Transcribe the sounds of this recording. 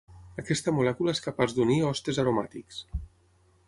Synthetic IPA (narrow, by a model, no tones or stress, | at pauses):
əkɛst̪əmulɛkulaeskapazd̪uniɔst̪ezaɾuma̰t̪iks